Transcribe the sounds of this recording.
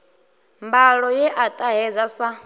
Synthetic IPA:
mbaɺɔjeʔatʼaɦɛd͡zasa

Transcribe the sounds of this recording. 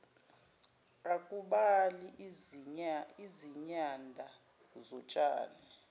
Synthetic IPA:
akʼuɓali | iziɲandʱa | zɔt͡ʃʼa̰ːniɛ

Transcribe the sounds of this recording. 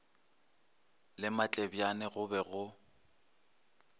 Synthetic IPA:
lɪmat͡ɬʼɛbjanɛɣʊbɛɣʊ

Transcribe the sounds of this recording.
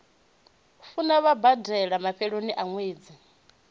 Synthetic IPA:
funaβabadɛɺamaɸɛɺoniʔaŋweːd͡zi

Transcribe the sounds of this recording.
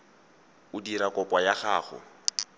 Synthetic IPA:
ʊdiɾakʼɔpʼwajaχaːχʊ̰

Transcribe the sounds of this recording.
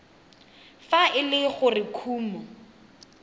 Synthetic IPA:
faʔɪlɪχʊrɪkʰuːmɔ

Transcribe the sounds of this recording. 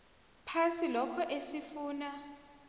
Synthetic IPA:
pʰasilɔkʰɔʔesifuːna

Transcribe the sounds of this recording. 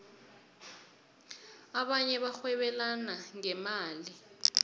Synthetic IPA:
aɓaɲɛɓaxwɛɓɛlanaŋɛmaːli

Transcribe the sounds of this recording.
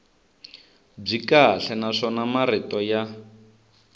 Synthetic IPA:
b͡ʐikaɬɛnaʂɔnamaritɔja

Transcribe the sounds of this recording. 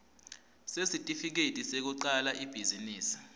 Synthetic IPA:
sesitʼifik̬etʼisek̬uǃalaʔib̥ʱiziniːsi̥

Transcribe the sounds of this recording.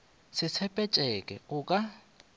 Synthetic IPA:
sɪt͡sʰɛpʼɛt͡ʃʼɛkʼɛ̰ʊkʼa

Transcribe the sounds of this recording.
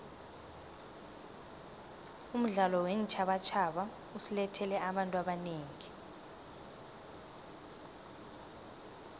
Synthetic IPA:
um̩ɮalɔwɛnt͡ʃʰʼaɓat͡ʃʰaɓa | usilɛtʰɛlɛaɓantʼuaɓaneːŋi

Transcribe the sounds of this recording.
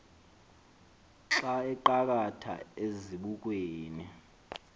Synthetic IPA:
ǁaɛǃak̬ʼatʰa̰eziɓuk̬ʼweːni

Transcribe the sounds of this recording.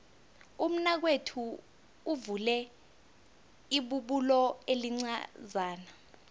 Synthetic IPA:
um̩nak̬wetʰuː | vulɛ | iɓuɓulɔeliŋ͡ǀazaːna

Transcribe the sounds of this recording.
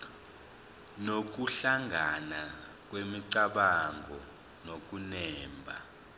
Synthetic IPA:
nok̬uɬaŋɡʱanak̬ʼwemiǀaɓaŋɡʱɔ | nok̬ʼunɛːmbʱa̰

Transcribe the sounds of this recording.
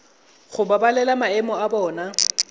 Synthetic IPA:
χʊbabalɛlamaɛmɔabɔːna

